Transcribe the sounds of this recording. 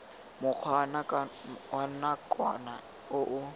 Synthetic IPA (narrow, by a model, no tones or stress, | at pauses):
mʊq͡χʰwanawanakʼwana | ʊʔʊ